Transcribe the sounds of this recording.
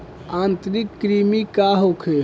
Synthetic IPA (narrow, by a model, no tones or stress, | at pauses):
ant̪ɾikːɾimikaɦokʰe